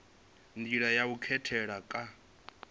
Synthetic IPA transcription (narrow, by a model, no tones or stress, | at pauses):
ndiɺajaukʰɛtʰɛɺakʼa